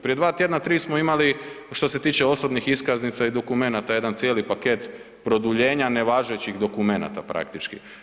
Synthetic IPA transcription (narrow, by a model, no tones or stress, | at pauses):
pɾije̞d̪ʋaːt̪je̞d̪nat̪ɾiːsmo̞imali | ʃt̪o̞se̞t̪iːt͡ʃeo̞so̞bnixiskaznit̪said̪o̞kume̞nat̪aje̞d̪ant̪sjeːlipake̞t̪ | pɾo̞d̪uʎe̞ːɲane̞ʋaʒet͡ɕiɣd̪o̞kume̞na̰t̪a̰pɾa̰k̚t̪it͡ʃkḭ